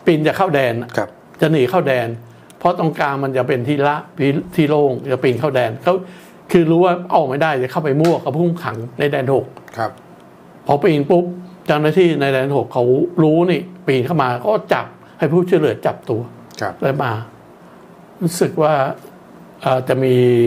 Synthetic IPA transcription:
pi˧nt͡ɕa˨˩kʰa˥˩wdɛː˧n˩˧ | t͡ɕa˨˩nɯː˩˦kʰa˥˩wdɛː˧n | pʰɔ˦˥t̪ɔ˥˧˩ŋkaː˧nma˧nt͡ɕa˨˩pe˧nt̪ʰiː˥˩la˦˥ʔpi˧˥˩t̪ʰiː˥˩loː˥˩ŋt͡ɕa˨˩piː˧nkʰa˥˩wdɛː˧nkʰa˦˥w | kʰɯː˧ɾuː˦˥waː˥˩ʔa˥˩ma˥˩jda˥˩jt͡ɕa˨˩kʰa˥˩wpa˧jmu˥˩ɐka˧˩wpʰu˥˩mkʰa˩˦ŋna˧jdɛː˧nho˨˩k̚ʰ | pʰa˨˦˥wpiː˧˩ŋpu˦˥p̚t͡ɕa˥˩wnaː˥˩t̪ʰiː˥˩na˧jdɛː˧nho˨˩kʰːa˦˥wɾuː˦˥niː˥˩piː˧nkʰa˥˩wmaː˧kʰɔː˥˩t͡ɕa˨˩p̚ | ha˥˩jpʰuː˥˩t͡ɕʰu˥˩˨jlɯ˨˩ət͡ɕa˨˩p̚t̪u˧ɐ˧ | la˧maː˧ | ɾuː˦˥sɯ˨˩k̚waː˥˩ | ʔəː˨˩t͡ɕa˨˩ʔmiː˧

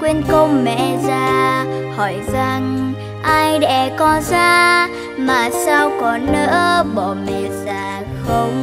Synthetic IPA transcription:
kwi˧ənkə˧wŋ͡mmɛ̰˧˨zaː˧˩hɔ˧˩jza˨˩ŋ | ʔaː˧jɗɛ̰˧˥kɔ˨˦zaː˧ | maː˨˩saː˧wkɔ˨˦nə̰ː˧˥ɓɔ˧˩˨mɛ̰˨˩zaː˧˩ | xə˧wŋ͡m

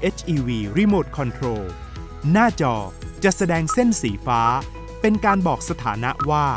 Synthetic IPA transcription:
ʔe˦˥t͡ɕʰʔiː˧wiː˧ɾi˦˥moː˨˩t̪̚kʰɔ˧nt̪ʰɾoː˧ | naː˥˩t͡ɕɔː˧t͡ɕa˨˩ʔsa˧dɛː˧ŋse˥˩nsiː˩˦faː˦˥ | pe˧nkaː˧nbɔː˨˩k̚sa˧t̪ʰa̰ː˩˦na˦˥ʔwaː˥˩

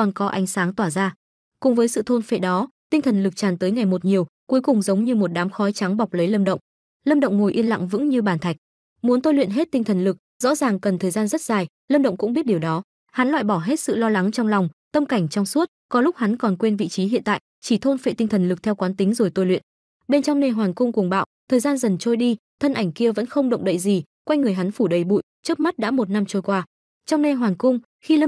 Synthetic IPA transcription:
kɔ˨˩nkɔ˨˦ʔa˨˦jŋsaː˨˦ŋt̪waː˧˩zaː˧ | kʊ˨˩ŋ͡mvəː˨˦jsɨ̰˧˨t̪ʰo˧nfḛ˧˨ɗɔ˨˦t̪ï˧ŋt̪ʰə˨˩nlɨ˨˩k̚t͡ɕaː˨˩nt̪əː˨˦jŋa˨˩jmo˨˩t̚ɲi˨˩əwku˨˦jkʊ˨˩ŋ͡mzə˨˦wŋ͡mɲɨ˧mo˨˩t̚ɗaː˨˦mxɔ˨˦jt͡ɕa˨˦ŋɓa˨˩wk͡p̚lə˨˦jləː˧mɗə̰˧˨wŋ͡m | ləː˧mɗə̰˧˨wŋ͡mŋo˨˩jʔi˧ənla̰˧˨ŋvɨ̰˧˥ŋɲɨ˧ɓaː˨˩nt̪ʰa˨˩jk̟̚ | mu˨˦ənt̪o˧jlwḭ˧˨nɦe˦˥t̚t̪ï˧ŋ̟t̪ʰə˨˩nlɨ˨˩k̚z̥ɔ̰˧˥zaː˨˩ŋkə˨˩nt̪ʰəː˨˩jzaː˧nzə˦˥t̚zaː˨˩j | ləː˧mɗə̰˧˨wŋ͡mkʊ̰˧˥ŋ͡mɓi˦˥t̚ɗi˨˩wɗɔ˨˦ | ha˨˦nlwa̰ː˧˨jɓɔ˧˩ɦe˦˥t̚sɨ̰˧˨lɔ˧la˨˦ŋt͡ɕɔ˧wŋ͡mlɔ˨˩wŋ͡mt̪ə˧mka˧˩jŋ̟t͡ɕɔ˧wŋ͡msu˦˥ət̚kɔ˨˦lʊ˦˥k͡p̚ha˨˦nkɔ˨˩nkwe˧nvḭ˧˨t͡ɕi˨˦ɦḭ˧˨ənt̪a̰ː˧˨j | t͡ɕi˧˩t̪ʰo˧nfḛ˧˨˩t̪ï˧ŋ̟t̪ʰə˨˩nlɨ˨˩k̚t̪ʰɛ˧wkwaː˨˦nt̪i˨˦ŋ̟zo˨˩jt̪o˧jlwḭ˧˨ən | ɓe˧nt͡ɕɔ˧wŋ͡mne˧nɦwaː˨˩nkʊ˧ŋ͡mku˨˩əŋɓa̰ː˧˨wt̪ʰəː˨˩jzaː˧nzə˨˩nt͡ɕo˧jɗi˧t̪ʰə˧nʔa˧˩jŋ̟ki˧əvə̰˧˥nxə˧wŋ͡mɗə̰˧˨wŋ͡mɗə̰˧˨jzi˨˩ | kwa˧jŋɨ˨˩əjɦa˨˦nfu˧˩ɗə˨˦jɓṵ˧˨jt͡ɕɨ˦˥ək̚ma˦˥t̚ɗa̰ː˧˥mo˨˩t̚na˧mt͡ɕo˧jkwaː˧ | t͡ɕɔ˧wŋ͡mne˧nɦwaː˨˩nkʊ˧ŋ͡m | xi˧

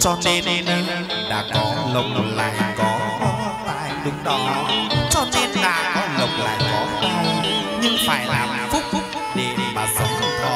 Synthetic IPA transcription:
t͡ɕɔ˧t͡ɕe˧ne˧nə˧j | ɗa̰ː˧˥kɔ˨˦lə˨˩wŋ͡mla̰ː˨˩jkɔ˨˦˨ | aː˧˩˨jɗʊ˨˦ŋ͡mɗɔ˨˦t͡ɕɔ˧t͡ɕe˧nnaː˧˩ʔlə˨˩wŋ͡m̚la̰ː˨˩jkɔ˨˦˨a˧wɲɨ˧ŋfaː˧˩jlaː˨˩ | fʊ˦˥k͡p̚fʊ˦˥k͡p̚ | ɗe˨˩ɓaː˨˩zə˨˦ŋ͡ma˧ɔ˨˧˦

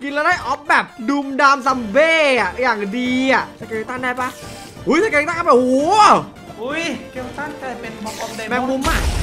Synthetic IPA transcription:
ki˧nla˧daː˧˥˩jʔɔ˦˥p̚bɛː˨˩p̚du˧mdaː˧msa˧mbeː˧˥˩a˨˩ʔjaː˨˩ŋdiː˧a˨˩ʔt͡ɕʰa˧˩ke˨˧˩t̪aː˥˩ŋdaː˧˩jpaː˧˩ | hu˨˦˥jtʰa˧˩kːt̪a˥˩˧bɛː˨˩ʔo˨˦ | u˧˦˥jki˧˩t̪a˥˩ŋka˧˩˧ɔ˧mɛ˧mu˧˦mːa˧˩

